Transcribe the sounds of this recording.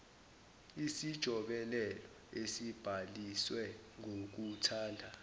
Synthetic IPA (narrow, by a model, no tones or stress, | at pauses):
isid̥ʒ̥ʱɔɓɛlɛlɔ | esib̥ʱaliswɛŋʱok̬utʰaːndʱa